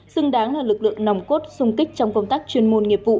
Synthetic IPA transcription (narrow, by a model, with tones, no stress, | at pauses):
sɨ˧ŋɗaː˨˦ŋlaː˨˩lɨ˨˩k̚lɨ̰˧˨əŋna˨wŋ͡mko˦˥t̚sʊ˧ŋ͡mkï˦˥k̟̚t͡ɕɔ˧wŋ͡mkə˧wŋ͡mt̪aː˦˥k̚t͡ɕwi˧ənmo˧nŋi˨˩əp̚vṵ˧˨